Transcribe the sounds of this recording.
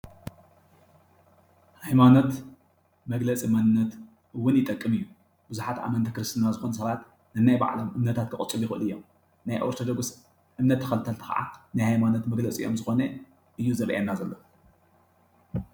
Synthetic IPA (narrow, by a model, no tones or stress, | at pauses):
hajmano̞t̪ | mɐɡlɐt͡sʼimanɨnːɐt̪ | ɨwːʊnjɪt̪ʼɐkʼːɨmɨjːu | b̥ɨzuħat̪ʔa̰mɐnt̪ʰɨkɾɨst̪ʰɨnazɨxo̞nɐs̬ɐβat̪ | nɨnajba̰ʕlomʔɨmnɐt̪ʰat̪̚kʰɨχʼɨt͡sʼːɨljɪxɨʔɨlɨjːo̰m | najʔo̰ɾt̪ʰod̪oɡus | ʔɨmnɐt̪ʰːɐ̥xɐlt̪ʰɐlt̪ʰɨ̥xa̰ʔa̰najhajmanot̪mɐɡlɐt͡sʼḭjo̞̰mzɨxo̞nɐ | ʔɨjːuzɐβʔḛnːazɐlːo